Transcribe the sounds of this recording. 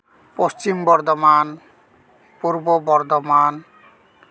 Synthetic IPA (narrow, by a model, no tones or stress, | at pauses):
post͡ɕimbɔɾd̪ɔman | puɾbobɔɾd̪oman